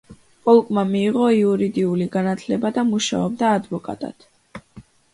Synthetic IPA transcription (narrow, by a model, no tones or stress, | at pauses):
pʼɔlˠkʼmamiːʁɔiuɾid̪iuliɡanat̪ʰlɛbad̪amuʃa̰ɔb̚d̪aːd̪vɔkʼa̰t̪ʼa̰t̪